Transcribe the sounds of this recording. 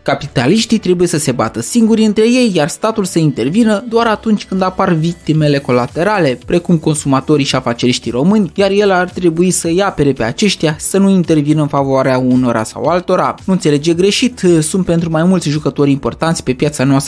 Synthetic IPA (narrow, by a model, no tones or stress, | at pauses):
kapit̪aliʃt̪it̪ɾe̞buje̞səse̞bat̪əsiŋɡuɾʲɨnt̪ɾe̞je̞jjarst̪at̪ulsəint̪e̞rvinəd̪oaɾat̪unt͡ʃʲkɨnd̪aparvik̚t̪ime̞le̞ko̞lat̪e̞ɾale̞pɾe̞kumko̞nsumat̪o̞ɾiʃiafat͡ʃe̞ɾiʃt̪ijro̞mɨnʲjarje̞lart̪ɾe̞buisəjape̞ɾe̞pe̞a̰t͡ʃe̞ʃt̪ijasənuint̪e̞rvinəɨnfavoaɾeauno̞ɾʔa̰sa̰walt̪o̞ɾa̰nuɨnse̞le̞d͡ʒe̞ɡɾe̞ʃit̪sunt̪̚pe̞nt̪ɾumajmult̪sʲʒukət̪o̞ɾʲimpo̞rt̪ant̪sʲpe̞pjat̪sanoast̪ɾə